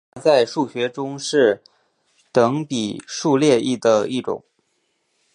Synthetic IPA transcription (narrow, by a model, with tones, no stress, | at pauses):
t͡sa˥˧ɪʂu˥˩ɕɥɛ˧˥ʈ͡ʂʊ˥ŋʂɻ̩˥˩ | t̪ɤ˧˥ŋpi˨˩ʂu˥˧ljɛ˥˧i˥˩d̪ə˩i˥˩ʈ͡ʂʊ̰˨˩˦ŋ